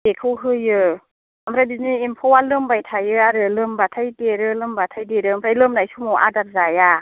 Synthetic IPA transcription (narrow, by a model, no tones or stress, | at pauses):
bekʰɯwɦɯjɯ | amɾajbizniimpʰɔwalɯmbajtʰajɯaɾɯlɯmbatʰajdeɾɯlɯmbatʰajdeɾɯmpʰɾajlɯmnajsumɔwʔa̰dap̚zaja